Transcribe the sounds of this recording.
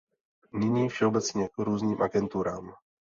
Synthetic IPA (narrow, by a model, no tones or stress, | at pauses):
nɪɲiːfʃɛobɛt͡sɲɛkɾuːzniːmʔaɡɛnt̪uɾaːm